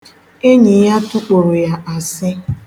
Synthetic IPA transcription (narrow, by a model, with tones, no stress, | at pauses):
e˦ɲi˨ja˦tʊ˦k͡po˨ɾo˨ja˦ʔa˨sɪ˦